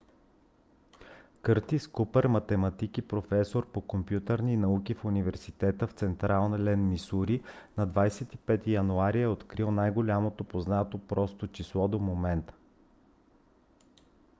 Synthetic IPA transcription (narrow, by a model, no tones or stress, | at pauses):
kɤɾt̪iskupɛɾmɐt̪ɛmɐt̪ikipɾofɛsoɾpokompjut̪əɾninɐukifunivɛɾsit̪ɛt̪əft̪sɛnt̪ɾalˠnəlɛnmisuɾinɐd̪vajsɛt̪ipɛt̪ijɐnuaɾiɛot̪kɾilˠnajɡolʲamot̪opoznat̪opɾɔst̪ot͡ʃislˠɔd̪omomɛnt̪ə̥